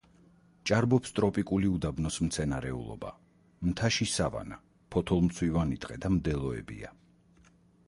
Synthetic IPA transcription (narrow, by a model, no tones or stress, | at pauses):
t͡ʃʼaɾbɔpst̪ʼɾɔpʼikʼuliud̪abnɔsmt̪sʰɛnaɾɛṵlˠɔ̰ba̰ | mt̪ʰaʃisava̰na | pʰɔt̪ʰɔlˠmt̪sʰwivanit̪ʼqʼɛd̪amd̪ɛlˠɔɛ̰bḭa